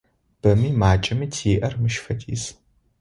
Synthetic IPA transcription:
b̥ɐmiːmaːt͡ʃʼɐmitʰiɪʔɐrmɨʃfɐtʰḭːs

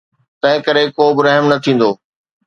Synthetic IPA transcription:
t̪ɐ̃ɦɪ̃kɐɾekoːbɪɾɐɦmnɐt̪ʰĩːn̆d̪oː

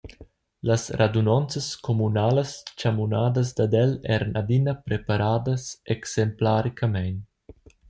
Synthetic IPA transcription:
lasɾad̪unɔnt͡səskomunaːləst͡ʃamunaːd̪əs̬d̪ad̪ɛlɛɾənad̪inapɾepaɾaːd̪əseksemplaɾikʰamɛjn

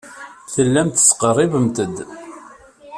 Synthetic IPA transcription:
θəlːæmt̪ə̥sqərˤːɪvəmt̪əd̪

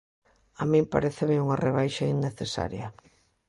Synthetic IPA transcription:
amĩmpa̰ɾeθemɪuŋareβ̞ajʃainːeθesa̰ɾjɐ

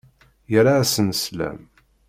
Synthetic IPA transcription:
jəɾaːsənslæ̰m

